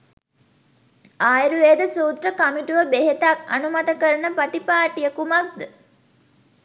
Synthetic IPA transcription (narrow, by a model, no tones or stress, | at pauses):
aːjɾuʋeːd̪əsuːt̪rəkamiʈuʋəbeɦet̪aka̰numɐt̪əkəɾənəpaʈipaːʈijəkumak̚d̪ə